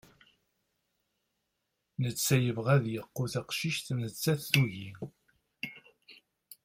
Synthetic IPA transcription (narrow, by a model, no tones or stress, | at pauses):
nət͡sːæjəvʁæðjəqːuθaqʃiʃt̪nət͡sːæθːuʝi